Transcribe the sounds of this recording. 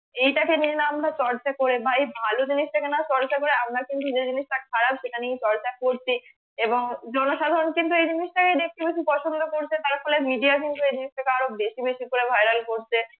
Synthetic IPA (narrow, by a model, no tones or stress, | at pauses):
ejʈakenienamtat͡ɕɔɾt͡ɕakoɾebaejbʱalod͡ʑiniʃʈʰakenat͡ɕɔɾt͡ɕakoɾeamɾakint̪ud͡ʑed͡ʑiniʃʈakʰaɾabʃeʈanijt͡ɕɔɾt͡ɕakoɾt͡ɕʰi | eboŋd͡ʑɔnoʃad̪ʱaɾonkint̪uejd͡ʑiniʃʈakeɖek̚ʈibeʃipɔʃond̪ʱokoɾt͡ɕʰet̪aɾfʰolemiɖiak̬int̪uejd͡ʑiniʃʈʰakeaɾobeʃibeʃikoɾebʱajɾalkoɾt͡ɕʰe